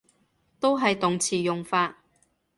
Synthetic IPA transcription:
t̪o˥wɦɐ˨jt̪ʊ˨ŋt͡sʰiː˨˩jʊ˨ŋfaː˧t̚

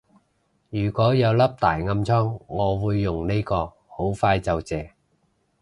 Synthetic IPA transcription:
jyː˨˩kʷɔː˨˥jɐ˨˧wlɐ˥p̚t̪aː˨˩jŋɐ˧mt͡sʰɔː˥ŋːɔː˨˧wuː˨˧jːʊ˨ŋne˥jkɔː˧ | ho˨˥wfaː˧jt͡sɐ˨wt͡sɛː˨

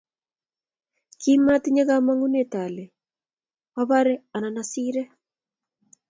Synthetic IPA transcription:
kima˦ti˦ɲe˦ɣa˦ma˦ŋu˦ne˨ta˨le˨ | a˦βa˦ɾe˦a˨na˨na˦siː˦ɾɛ˦

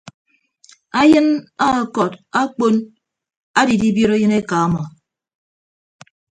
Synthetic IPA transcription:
a˦jɨ˦na˦˨kɔ˨ta˦k͡po˦n | a˦di˨di˦bjo˦ɾe˦jɨ˦ne˦ka˨a˦mɔ˨

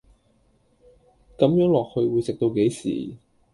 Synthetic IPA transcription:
kɐ˨˥mjœː˨˥ŋlɔː˨˩k̚hɵ˧ɥwuː˨˧jsɪ˨k̚t̪o˧wke˨˥jsḭː˨˩

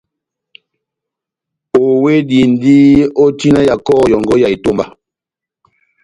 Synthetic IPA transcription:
o˨we˦di˨n̩˨di˦o˦ti˦na˦ja˨kɔː˦˨jɔ˨ŋɡɔ˦ja˨i˨to˦˨mba˨

